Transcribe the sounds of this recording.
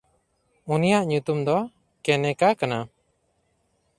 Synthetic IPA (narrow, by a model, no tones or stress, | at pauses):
unijaʔɲut̪umd̪ɔ | kɛnɛkakana